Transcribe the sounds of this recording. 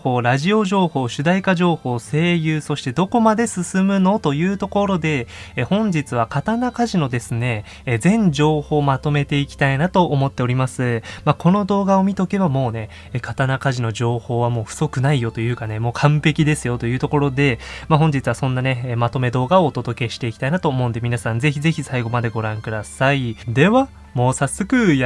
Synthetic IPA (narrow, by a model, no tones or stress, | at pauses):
ho̞ːɾaʑio̞ʑo̞ːho̞ːɕɨd̪aikaʑo̞ːho̞ːse̞ːjɯːso̞ɕi̥t̪ed̪o̞ko̞mad̪e̞sɨsɨmɯ̟no̞t̪o̞jɯ̟ːt̪o̞ko̞ɾo̞d̪e̞ːhõ̞ɲ̟d͡ʑit͡sɨβ̞akat̪anakaʑino̞d̪e̞sɨne̞ | zẽ̞ɲ̟d͡ʑo̞ːho̞ːmat̪o̞me̞t̪e̞ikʲi̥t̪ainat̪o̞ʔːmo̞t̪ːe̞o̞ɾʲimasɨmakʰo̞no̞d̪o̞ːɡao̞mʲit̪o̞ke̞bamo̞ːne̞ | ekat̪anakaʑino̞ʑo̞ːho̞ːβamo̞ːɸɯ̟̥so̞kɯ̟naijo̞t̪o̞jɯ̟ːkane̞mo̞ːkʰãmpe̞kʲid̪e̞sɨjo̞t̪o̞jɯ̟ːt̪o̞ko̞ɾo̞d̪e̞maɦõ̞ɲ̟d͡ʑit͡sɨβasõ̞nːane̞ːmat̪o̞me̞d̪o̞ːɡao̞ːt̪o̞d̪o̞ke̞ɕi̥t̪e̞iki̥t̪ainat̪o̞ːmo̞ɯ̃nd̪e̞mʲinasãnd͡ze̞çize̞çisaiɡo̞mad̪e̞ɡo̞ɾãŋkɯ̟d̪asaid̪e̞βa | moːsasːo̞kɯ̟j